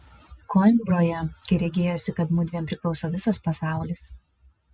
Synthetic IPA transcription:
kɔmʲbɾoːjɛkʲɐɪɾʲɛɡʲeːjoːsʲɪkɐt̪mʊd̪ʲʋʲiɛmpʲɾʲɪklˠɒʊsoːʋʲɪsɐspɐsɑˑʊlʲɪs

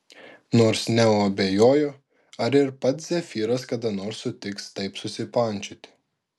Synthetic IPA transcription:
noːɾsnʲɛuɐbʲeːjoːjoː | ɐɾɪɾpɐt̪szʲɛfʲiːɾɐskɐd̪ɐnoːɾsːʊt̪ʲɪkst̪ɐɪpsʊsʲɪpɐnʲt͡ʃʲʊt̪ʲɪ̥

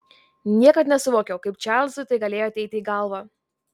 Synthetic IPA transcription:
nʲiɛkɐt̪nʲɛsʊʋoːkʲɛʊkɐɪpt͡ʃʲæˑlʲzʊt̪ɐɪɡɐlʲeːjoɐt̪ʲɛɪt̪ʲɪiːɡɐlˠʋɑː

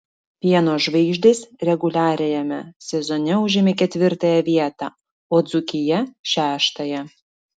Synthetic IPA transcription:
pʲiɛnoːʒʋɐɪʒʲd̪ʲeːsɾʲɛɡʊlʲæːɾʲɛjɛmʲɛsʲɛzɔnʲɛʊʒʲɪmʲekʲɛt̪ʲʋʲɪɾt̪ɑjɛʋʲiɛt̪ɑ̰ | oːd̪zʊkʲɪjɛʃʲæːʃt̪ɐjɛ

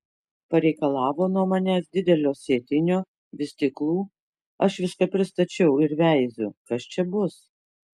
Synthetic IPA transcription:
pɐɾʲɛɪkɐlˠɑːʋoːnuɔmɐnʲæːsd̪ʲɪd̪ʲɛlʲoːsʲeːt̪ʲɪnʲoː | ʋʲɪsʲt̪ʲɪklˠuː | ɐʃʋʲɪskɐpʲɾʲɪst̪ɐt͡ʃʲɛʊɪɾʋʲæɪzʲʊkɐst͡ʃʲɛbʊs

